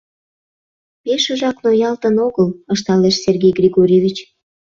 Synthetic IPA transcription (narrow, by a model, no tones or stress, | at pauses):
peʃəʒɑknojɑlt̪ənoɣələʃt̪ɑleʃserɡʲejɡrʲiɣoɾʲevʲit͡ɕ